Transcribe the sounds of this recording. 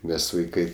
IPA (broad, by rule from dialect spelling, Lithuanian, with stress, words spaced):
ˈmʲɛs ʋɐɪˈkɐɪ